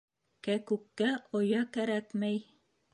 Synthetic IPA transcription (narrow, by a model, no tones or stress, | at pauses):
kækʉkːæʔŏjɑkæɾækmæj